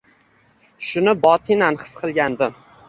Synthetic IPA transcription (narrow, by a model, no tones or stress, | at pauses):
ʃʊnɪbɒt̪ʰinanχɨ̥sqʰɨlˠɡʲand̪ɪ